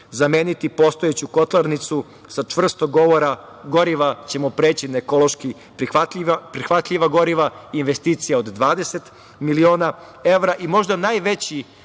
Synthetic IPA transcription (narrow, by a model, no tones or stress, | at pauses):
zameːnit̪ipo̞st̪oet͡ɕuko̞t̪lˠaɾnit̪su | sat͡ʂʋr̩st̪oɡo̞ʋo̞ɾa | ɡoɾiʋat͡ɕe̞mopɾeːt͡ɕinaeko̞lˠoʃki | pɾiat̪apɾixʋat̪ʎʲiʋaɡo̞ɾiʋainʋest̪iːt̪sijao̞d̪d̪ʋaːd̪e̞set̪ | milio̞ːna | e̞ʋɾaʔimo̞ʒd̪anaːjʋe̞t͡ɕi